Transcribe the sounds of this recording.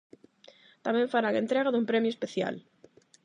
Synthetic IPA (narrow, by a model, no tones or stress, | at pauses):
t̪amẽɱfaɾaŋẽnt̪ɾeɣ̞aðumpɾemjoespeθja̰l